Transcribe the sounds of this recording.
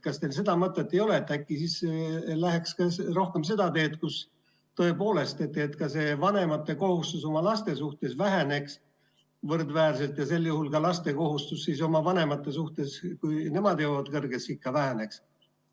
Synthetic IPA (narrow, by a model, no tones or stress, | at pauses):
kɑst̪els̬e̞d̪̥ɑmɤt̪ˑːe̞t̪ːe̞jo̞le̞t̪ːækːisislæɦekskɑsro̞hke̞mse̞d̪̥ɑt̪e̞ːt̪̚kus | t̪o̞e̞po̞ːle̞st̪e̞t̪ːˑet̪kɑse̞vɑne̞mɑt̪ːˑe̞ko̞hust̪uso̞mɑlɑst̪e̞suht̪e̞svæɦene̞ks | vɤrd̪væːɾse̞lt̪jɑse̞lːjuhulkɑlɑst̪e̞ko̞ɦust̪usːis̬o̞mɑvɑne̞mɑt̪ːˑe̞s̬uht̪e̞skujne̞mɑd̪joːvɑd̪̥kɤrɡ̥esikːɑvæɦæne̞ks